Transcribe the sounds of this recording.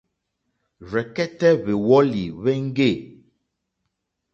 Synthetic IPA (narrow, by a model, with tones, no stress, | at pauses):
ɾɛ˨kɛ˦tɛ˦βe˨wɔ˦li˨βɛ˦ŋ̩˦ɡe˦˨